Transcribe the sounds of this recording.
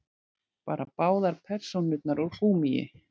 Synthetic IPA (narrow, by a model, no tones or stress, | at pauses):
paːɾʔapaːwðaɾpʰɛɾ̥sownːʏt̪̚naɾɔwr̥uːmijɪ̰